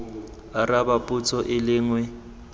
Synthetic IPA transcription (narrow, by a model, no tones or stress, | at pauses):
arabapʼut͡sʰʼɔʔɪlɪŋwɛ